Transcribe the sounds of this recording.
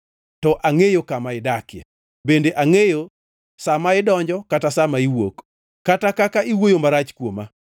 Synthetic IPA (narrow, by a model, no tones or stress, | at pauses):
tɔʔaŋejokamaɪdakja̰ | bendeʔaŋejo | samaɪdɔɲd͡ʒɔkatasamaiwo̰k | katakakaʔiwojomaɾat͡ʃkwoma